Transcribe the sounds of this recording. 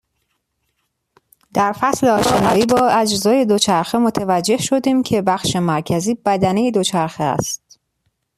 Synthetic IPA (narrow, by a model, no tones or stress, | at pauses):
d̪̥æɾfæsleɒːʃe̞nɒːiːbɒːæd͡ʒzɒːje̞d̪ot͡ʃʰæɾxemo̞t̪ʰevæd͡ʒːe̞hʃo̞d̪iːmcʰe̞bæxʃe̞mæɾcʰæziːb̥æd̪æne̞jed̪o̞t͡ʃʰæɾxeæ̰st̪̚